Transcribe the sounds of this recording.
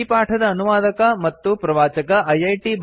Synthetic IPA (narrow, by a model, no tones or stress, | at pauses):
ipaːʈʰɐd̪ɐːnuʋaːd̪ɐkɐmɐt̪ːupɾɐʋaːt͡ʃɐkɐʔɐjɐjʈib